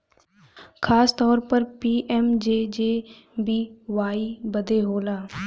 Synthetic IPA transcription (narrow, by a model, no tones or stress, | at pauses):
kʰaːst̪ɔːɾpəɾpiːʔɛːmd͡ʒeːd͡ʒeː | biːʋaːiːbəd̪eːɦoːlaː